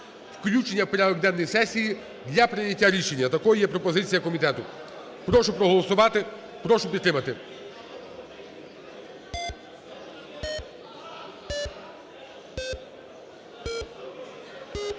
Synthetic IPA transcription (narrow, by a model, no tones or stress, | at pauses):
wklʲut͡ʃenʲːɐwpɔɾʲad̪ɔɡd̪ɛnːɔjisɛsʲiji | d̪lʲɐpɾɪjɐtʲːaɾʲiʃe̞nʲːɐt̪ɐkɔjjɛpɾɔpɔzɪt͡sʲijɐkɔmʲit̪ɛt̪ʊ | pɾɔʃʊpɾɔɦɔlˠɔsʊʋɑt̪ɪ | pɾɔʃʊpʲid̪t̪ːɾɪmɐt̪ɪ